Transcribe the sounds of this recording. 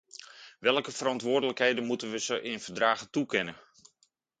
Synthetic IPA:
ʋɛlˠkəfəɾɑntʋʊːrdələkɦejdənmutənʋəzəʔɪnvərdraːɣətukɪnə

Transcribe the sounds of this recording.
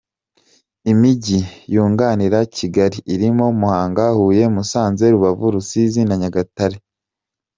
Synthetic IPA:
imiɟijuːŋɡaːniɾaciɡaɾiʔːɾimo̞muhaːŋɡahuːje̞musaːnze̞ɾuβavuɾusizinaɲaɡataɾe

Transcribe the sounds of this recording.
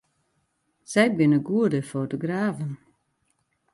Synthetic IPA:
sɛjbɪnəɡuədəfoːtoɡraːvən

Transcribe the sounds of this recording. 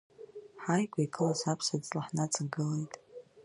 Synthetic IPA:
ħajkʷʼaikʼɨlasapʰsadʼlʼaħnat͡sʰʼaɡɨle̞jtʼ

